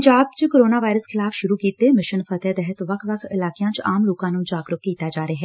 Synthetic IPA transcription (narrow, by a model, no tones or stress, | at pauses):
ɲd͡ʒaːb̚t͡ʃkoːɾoːnaːʋaːɪɾəskʰɪlaːfʰʃʊɾuːkiːt̪eːmɪʃənpʰət̪ɛːd̪ɛɦət̪ʋəkʰʋəkʰɪlaːkɪjãːt͡ʃaːmloːkãːnũːd͡ʒaːɡɾʊkːiːt̪aːd͡ʒaːɾaːɦɛː